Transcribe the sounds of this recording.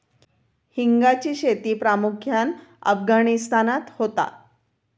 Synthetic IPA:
hiŋɡat͡ɕiːɕet̪iːpɾamukʰjanə̰fɡanist̪anat̪hot̪a̰

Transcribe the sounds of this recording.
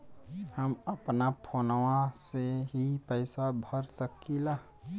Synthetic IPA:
həməpnapʰoːnwãseɦipəɪsabʱəɾsəkila

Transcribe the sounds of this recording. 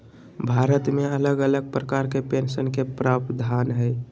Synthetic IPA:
bʱaɾət̪mẽələɡələɡ̚pɾəkaɾkepẽnsənkepɾabd̪ʱanɦəj

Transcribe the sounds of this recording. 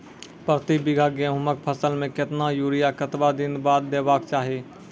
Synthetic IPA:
pɾət̪ibɪɡʱaɡẽɦʊmək̚pʰəsəlmẽkɪt̪najuːɾijakət̪bad̪inbaːd̪ːebaːkt͡ʃaːɦi

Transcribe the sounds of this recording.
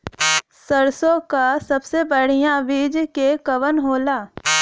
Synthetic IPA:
səɾsõkasɐbsebəɽ̤ijãʋiːd͡ʒkekəʋənɦoːlaː

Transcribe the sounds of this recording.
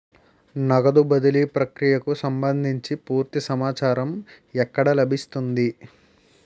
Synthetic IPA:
nɐɡɐd̪ubɐd̪ulipɾɐkɾijɐkusɐmbɐnd̪ʱiɲt͡ʃipuːɾt̪isɐmaːt͡ʃaːɾɐm | ɛkːɐɽɐlɐbʱist̪und̪i

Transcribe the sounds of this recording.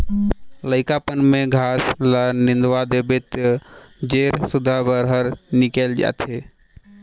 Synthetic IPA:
ləɪkapənmeɡʱaslənĩnd̪wad̪ebet̪ | d͡ʒeɾsud̪ʱabəɾɦəɾnikɛld͡ʒa̰t̪ɦe

